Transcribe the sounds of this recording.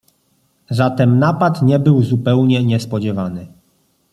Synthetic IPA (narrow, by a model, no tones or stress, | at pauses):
zat̪ɛmnapat̪ɲɛbɘwzupɛwɲɛɲɛspɔd͡ʑɛvanɘ